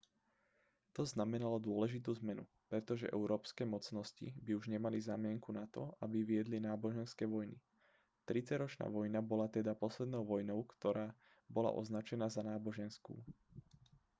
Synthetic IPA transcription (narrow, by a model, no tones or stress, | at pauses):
t̪ɔznamɛnalɔd̪ʊɔlɛʒit̪̬uːzmɛnu | pɾɛt̪ɔʒɛ̰ʔɛ̰ʊɾɔːpskɛːmɔt͡snɔscḭbiuʒɲɛmalizaːmɪɛŋkunat̪ɔabiʋɪɛd̪linaːbɔʒɛnskɛːʋɔjni | t̪ɾit͡saɟɾɔt͡ʃna̰ːʋɔjnabɔlat̪ɛd̪apɔslɛd̪nɔʊʋɔjnɔʊkt̪ɔɾaː | bɔla̰ʔɔ̰znat͡ʃɛnaːzanaːbɔʒɛnskṵː